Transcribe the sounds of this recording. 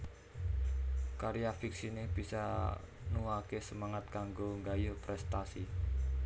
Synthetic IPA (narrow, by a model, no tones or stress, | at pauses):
kaɾjafiksinehb̥isa | nuakesəmaŋat̪̚kaŋɡoŋɡajopɾɛst̪asi